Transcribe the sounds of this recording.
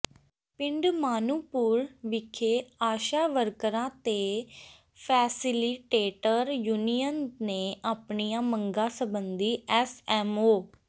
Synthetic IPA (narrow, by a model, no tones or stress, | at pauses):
pɪ̃ɳɖmaːnuːpuːɾʋɪkʰeːaːʃaːʋəɾkɾãːt̪eː | pʰɛːsɪlɪʈeːʈəɾjuːnijənneːʔaːpɳijãːməŋɡãːsəbənd̪iːɛːsɛːmoː